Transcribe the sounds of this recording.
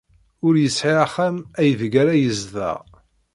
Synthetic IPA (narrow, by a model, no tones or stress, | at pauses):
ʊɾjəsʕiaχæmæjəvəɡaɾajəzðæ̰ʁ